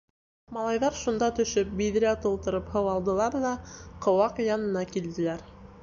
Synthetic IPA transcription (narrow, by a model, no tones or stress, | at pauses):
mɑlˠɑjðɑɾʃund̪ɑt̪ɵ̆ʃɵp̚biðɘ̆ɾæt̪ŏlˠt̪ɤ̆ɾɤphɤwɑlˠd̪ɤ̆lˠɑɾðɑqŏwɑqjɑnɤ̆nɑkild̪ɘ̆læɾ